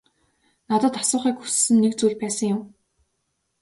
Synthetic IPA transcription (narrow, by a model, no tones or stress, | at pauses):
nat̪ə̆t̪asʊːχiːkxu̥ssɘ̆nːek̚t͡suːɮpæːsə̆ŋjʊm